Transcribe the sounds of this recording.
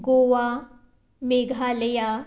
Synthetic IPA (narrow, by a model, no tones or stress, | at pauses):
ɡoːʋa | meɡʱaləja